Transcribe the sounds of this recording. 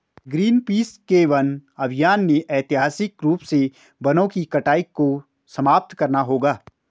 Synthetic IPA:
ɡɾiːnpiːskeːʋənɐbʱɪjaːnːeʔɛːt̪ɪɦaːsɪkɾuːpse | bɐnõkikɐʈaːikːo | sɐmaːp̚t̪kɐɾnaɦoːɡaː

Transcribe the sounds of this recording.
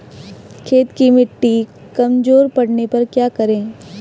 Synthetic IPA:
kʰeːt̪kimɪʈːikɐmd͡ʒoːɾpɐɽnepɐɾkjaːkɐɾẽː

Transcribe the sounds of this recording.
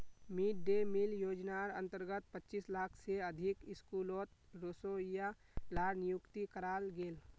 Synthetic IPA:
miʈ̚ɖemɪljoːd͡ʒnaɾə̰̃nt̪əɾɡət̪̚pətːt͡ʃːiːslaːkʰseəd̪ʱɪkɪskuːloːt̪ɾoːsoja | laːɾnɪjʊkt̪ikəɾaːlɡeːl

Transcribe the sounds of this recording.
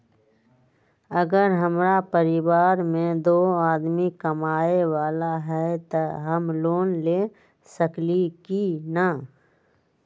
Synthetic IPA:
əɡəɾɦəmɾapəɾɪwaːɾmẽd̪oːaːd̪mikəmaːewaːlaɦɛt̪ɐɦəmloːnleː | səklikina

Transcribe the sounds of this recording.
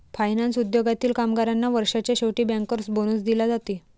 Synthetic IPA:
fajnansud̪joɡat̪iːlkamɡaɾanːaʋəɾʂat͡ɕjaɕowʈiːbãŋkəɾsboñuːsd̪ilad͡zat̪i

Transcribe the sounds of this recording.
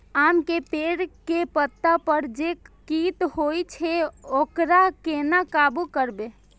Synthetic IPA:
amkepeɽkepət̪ːapəɾd͡ʒekit̪hojt͡ʃʰeokɾakenakabukəɾbe

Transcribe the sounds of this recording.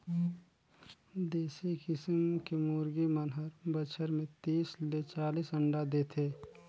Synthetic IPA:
d̪eːsikɪsmkemoːɾɡimənɦəɾbət͡ʃʰəɾmẽt̪iːslet͡ʃaːliːsə̃ɳɖad̪eːt̪ʰeː

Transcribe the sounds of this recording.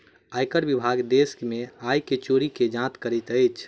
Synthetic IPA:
ajkəɾbibʱaɡd̪eskmẽajket͡ʃoɾiked͡ʒãt̪kəɾɛt̪əjt͡ʃʰ

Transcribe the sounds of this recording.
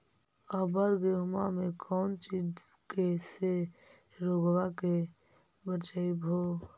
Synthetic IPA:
əbəɾɡeɦʊmamekʰɔːnt͡ʃid͡ʒkese | ɾoɡwake | bət͡ʃaibʱo

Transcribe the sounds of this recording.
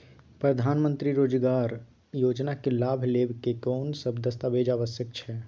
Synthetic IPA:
pɾəd̪ʱaːnmə̃nt̪ɾiɾoːd͡ʒɡaːɾ | joːd͡ʒnakelaːbʱleːbkekɔːnsəbʱd̪əst̪abeːd͡ʒaːʋəsjəkt͡ʃʰɛ

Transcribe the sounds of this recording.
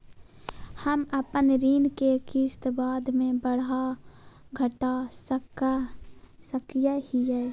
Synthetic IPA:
həməpənɾiːnkekist̪baːd̪mẽbəɽa | ɡʱəʈas | səkijahiɛː

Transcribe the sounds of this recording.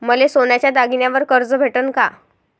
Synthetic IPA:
məlesonjat͡ɕjad̪aɡinjaʋəɾkəɾd͡zəbʱeʈənka

